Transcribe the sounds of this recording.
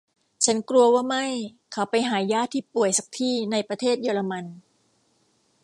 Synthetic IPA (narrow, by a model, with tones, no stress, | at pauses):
t͡ɕʰa˦˥nkɾu˧ɐwaː˥˩ma˥˩j | kʰa˦˥wpa˧jɦaː˩˦jaː˥˩t̪ʰiː˥˩pu˨˩əjsa˨˦k̚t̪ʰiː˥˩na˧jpɾa˧t̪ʰeː˥˩t̪̚jɤː˧la˧ma˧n